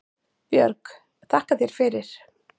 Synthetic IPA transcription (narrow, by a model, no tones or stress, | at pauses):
pjœɾk | t̪ʰahkaθjɛɾ̥fɪɾɪɾ̥